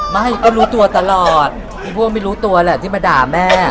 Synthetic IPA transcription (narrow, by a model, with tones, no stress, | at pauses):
ma˥˩ɦa˥˩jkʰɔː˥˩ɾuː˦˥t̪u˧ɐt̪a˧lɔː˨˩t̪̚ | mʰiː˧˩pʰu˥˩˨ŋma˥˩jɾuː˦˥t̪u˧ɐ˧lɛ˨˩t̪ʰiː˥˩ma˧˩daː˨˩mɛː˥˩